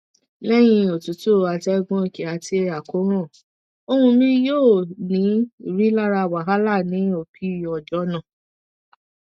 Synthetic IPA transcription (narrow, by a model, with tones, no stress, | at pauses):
lɛ˦j̃ĩ˧o˨tu˨˦to˦˨a˧tɛ˦ɡɔ̃˧i˦˨ki˨a˨˧ti˧a˨ko˨˦ɾ̃ã˦˨ | o˧hũ˧mĩ˧joː˦˨nĩ˨˦i˦˨ɾi˦la˦ɾa˧˨wa˨ɦa˦la˦˨nĩ˨˦o˨pʰi˦˨ɔ˨d͡ʒɔ˦nã˦˨